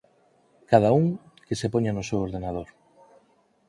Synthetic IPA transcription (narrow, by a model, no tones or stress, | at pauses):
kað̞auŋ | kesepoɲanʊsewoɾðenað̞oɾ